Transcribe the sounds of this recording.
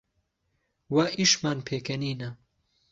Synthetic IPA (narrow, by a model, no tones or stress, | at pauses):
wɐʔiʃmaːnpʰeːkʰɐniːnɐ